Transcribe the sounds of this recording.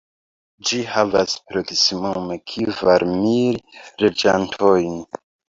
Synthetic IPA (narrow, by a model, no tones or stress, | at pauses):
d͡ʒihavaspɾo̞ksimume̞kʰivaɾmilɾed͡ʒantʰojn